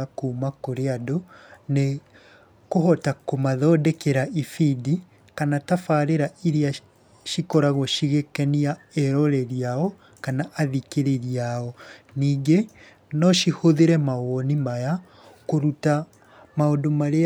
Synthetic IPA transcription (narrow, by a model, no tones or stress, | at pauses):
akuːmakoɾeadone | kohɔtakomaðɔːdɛkeɾaifidi | kanatafaːɾeɾaiɾea | ʃikɔɾaɣɔʃiɣekɛniaɛɾɔɾɛɾiaɔ | kanaʔaðikeɾeɾiaɔniːŋɡe | nɔʃihoðeɾɛmaɣɔnimaja | koɾuta | maodomaɾe